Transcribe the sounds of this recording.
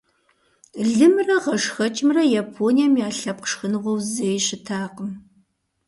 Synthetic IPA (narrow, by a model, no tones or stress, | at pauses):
ɮɨmrɐʁɐʂxɐt͡ʃʼɪmrɐjapʰoːnijamjaːɬɐp̚qʂxɨnɨʁʷɔwzɐjɕɪtʰaːqəm